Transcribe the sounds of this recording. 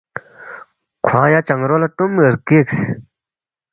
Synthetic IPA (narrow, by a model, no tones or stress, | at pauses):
kʰajat͡ɕaŋɾolaʈ͡ʂomrkeks